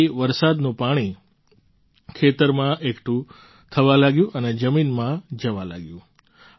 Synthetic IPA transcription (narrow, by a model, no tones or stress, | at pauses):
iʋəɾsad̪nũpaɽ̃i | kʰet̪əɾmãʔekʈʰũ | t̪ʰəʋãlaɡjũʔəned͡ʒəminmãd͡ʒəʋãla̰ɡjũ